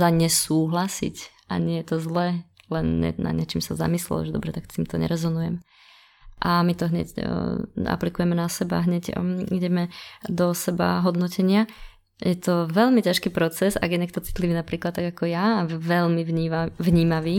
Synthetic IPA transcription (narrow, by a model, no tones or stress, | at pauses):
aɲɛsuːɦlasḭc | ʔa̰ɲɪɛjɛt̪ɔzlɛlɛnɲɛ̰na̰d̪ɲɪɛt͡ʃiːmsa̰za̰mislɛ̰lɔ̰ʒɛd̪ɔbɾɛt̪akt̪iːmt̪ɔɲɛ̰ɾɛzɔnujɛm | ʔamit̪ɔɦɲɛ̰c | a̰plikujɛmɛnasɛba̰ɦɲɛɟiɟɛmɛd̪ɔsɛba̰ɦɔd̪nɔcɛɲɪa | jɛt̪ɔʋɛlmicaʃkiːpɾɔt͡sɛzaɡjɛɲɛk̚t̪ɔt͡si̥t̪liʋiːnapɾiːklat̪tːaɡakɔjaʋɛlmivɲiːavɲiːmaʋiː